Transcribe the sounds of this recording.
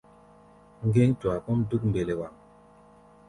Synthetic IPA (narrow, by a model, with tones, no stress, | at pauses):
ŋ˦ɡe˦ŋtwa˨ku˦mdu˦kmbe˨le˨wa˨